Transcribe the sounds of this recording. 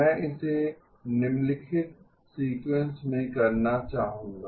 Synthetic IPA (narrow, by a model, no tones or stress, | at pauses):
ɛ̃ːʔɪse | nɪmlɪkʰɪt̪̚ | siːkwẽnsmẽkɐɾnat͡ʃaːɦũːɡa